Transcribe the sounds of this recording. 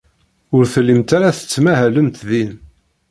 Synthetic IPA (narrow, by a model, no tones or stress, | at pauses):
ʊɾθəlːimt̪aɾaθə̥t͡sːmæɦæləmt̪ðin